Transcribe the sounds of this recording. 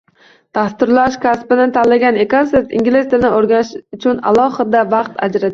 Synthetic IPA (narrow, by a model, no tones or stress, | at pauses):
t̪ʰast̪ɪɾlaʃkʲʰaspɪnɪt̪ʰalːaɡʲanekonse̞ɾt̪ḭŋɡʲlɪst̪ɪɾnɪoɾɡʲanɪʃʊt͡ʃʰʊna̰lˠɒhɪd̪avɑq̚t̪ʰa̰d͡ʒɾat̪